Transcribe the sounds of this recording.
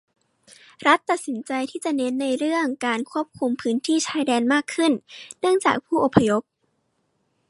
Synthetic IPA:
ɾa˦˥t̪ːa˨˩t̪̚si˩˦nt͡ɕa˧jt̪ʰiː˥˩t͡ɕa˨˩ʔne˦˥nːa˧jɾɯ˥˩əŋkaː˧nkʰu˥˩əp̚kʰu˧mpʰɯː˦˥nt̪ʰiː˥˩t͡ɕʰaː˧˥jdɛː˧nmaː˥˩kʰːɯ˥˩nnɯ˥˩əŋt͡ɕa̰ː˨˩k̚pʰuː˥˩ʔo˨˩pʰːa˧jo˦˥p̚

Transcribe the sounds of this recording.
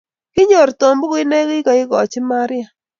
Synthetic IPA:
kɪ˦ɲo˨ɾto˨mbɡɪ˦nɛ˦ɡɪ˦ɡɔ˨ɪ˦ɡɔ˨t͡ʃɪ˦ma˦ɾɪ˦a˨

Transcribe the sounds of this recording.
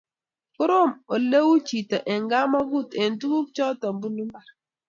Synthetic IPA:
kʊ˦ɾo˦˨mo˨le˦wu˦t͡ʃi˨tɔ˨ʔɛ˨ŋɡa˦ma˦ɡu˦˨te˨n˨tu˦ku˦k̚t͡ʃɔ˦tɔ˨mbu˦nu˦m˦ba˨ɾ

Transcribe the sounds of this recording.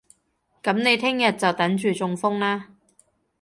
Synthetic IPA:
kɐ˨˥mne˨˧jt̪ʰɪ˥ŋjɐ˨t̚t͡sɐ˨wt̪ɐ˨˥nt͡ʃyː˨t͡sʊ˧ŋfʊ˥ŋlaː˥

